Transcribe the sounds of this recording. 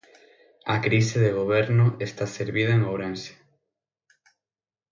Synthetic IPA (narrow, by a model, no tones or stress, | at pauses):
akɾisɪðeɣoβ̞eɾnʊʔest̪aseɾβiðɐeŋowɾensje̥